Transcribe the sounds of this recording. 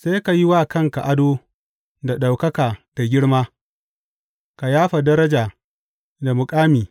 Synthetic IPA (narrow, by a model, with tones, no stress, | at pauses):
se˦ka˨ji˦wa˦˨kɐ˦˨ŋka˨ʔa˦doː˦ | da˨ɗa˨wkɐ˦kaː˨ta˨ɡʲɪ˦ɽmaː˦ | ka˨jaː˦ɸa˨dɐ˦ɾɐ˦d͡ʒaː˨ | da˨mʊ˨kʼaː˦miː˨